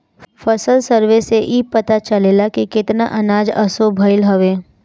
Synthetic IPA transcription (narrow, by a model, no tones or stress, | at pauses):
fəsəlsəɾʋeseʔiːpɐt̪at͡ʃɐleːlakikɪt̪na̰ʔɐnaːd͡ʒɐ̰sobʱəɪlɦɐʋeː